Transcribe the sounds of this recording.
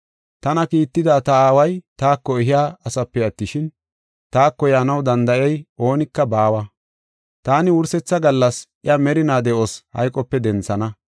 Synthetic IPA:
t̪ɐnɐkiːt̪ːɪd̪aːt̪ɐaːwɐjt̪aːkːɔɪɦɪjaːɐsɐpːɛjɐt̪ːɪʃɪn | t̪aːkːɔjaːnɐwd̪ɐnd̪ɐʔɛjʔo̞ːnɪkːɐbaːwɐ | t̪aːnɪwʊɾsɛt͡sːɐɡɐlːɐsʔɪɐmɛɾɪnaːd̪ɛʔoshɐ̰jkʼɔpːɛd̪ɛnt͡sːɐnɐ

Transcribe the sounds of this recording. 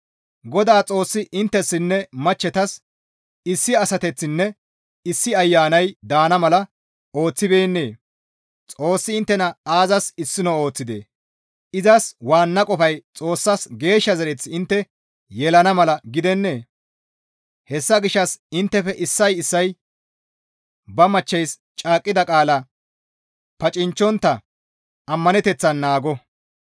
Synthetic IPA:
ɡɔd̪aːt͡sʼo̞ːsːɪʔɪnt̪ːɛsːɪnːɛmɐt͡ʃːɛt̪ɐs | ɪsːɪɐsɐt̪ɛt͡sːɪnːɛ | ɪsːɪɐjːaːnɐjd̪aːnɐmɐlɐ | o̞ːt͡sːɪbe̞ːnːe̞̰ː | t͡sʼo̞ːsːɪɪnt̪ːɛnɐaːzɐsɪsːɪnɔo̞ːt͡sːɪd̪ḛː | ʔɪzɐswaːnːɐkʼɔfɐjt͡sʼo̞ːsːɐsɡe̞ːʃːɐzɐɾɛt͡sːɪɪnt̪ːɛ | jɛlɐnɐmɐlɐɡɪd̪ɛnːe̞ː | hɛsːɐɡɪʃːɐsɪnt̪ːɛfɛʔɪsːɐjɪsːɐj | bɐmɐt͡ʃːɛjs | t͡ʃʼaːkʼːɪd̪ɐkʼaːlɐ | pɐt͡ʃʼɪnt͡ʃːɔnt̪ːɐ | ɐmːɐnɛt̪ɛt͡sːɐnːaːɡɔ

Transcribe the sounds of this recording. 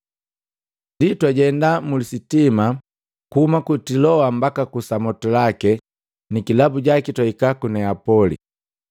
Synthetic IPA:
nditwaɟɛndamulisitima | kuhumakutilɔambakakusamɔtɔlakɛ | nikilabuɟakitwaikakunɛapɔlḭ

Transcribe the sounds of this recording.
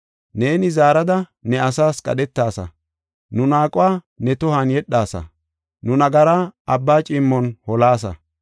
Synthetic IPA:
ne̞ːnɪzaːɾɐd̪ɐnɛɐsaːskʼɐ̰ɗɛt̪ːaːsɐ̰ | nʊnaːkʼʊwaː | nɛt̪ʊhɐnjɛɗːaːsɐ̰ | nʊnɐɡɐɾaːʔɐbːaːt͡ʃʼɪmːɔnhɔlaːs̬ɐ̰

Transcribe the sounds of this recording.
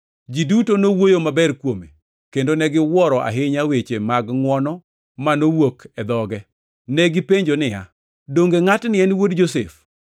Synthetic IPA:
d͡ʒidutonowojomabɛɾkwome | kendonɛɡɪwɔɾɔʔa̰ɦɪɲawet͡ʃemaɡŋwɔnɔ | manowokʰɛd̪ɔɡɛ | nɛɡɪpeɲd͡ʒonɪja̰ | doŋɡeŋatnɪɛnwodd͡ʒosef

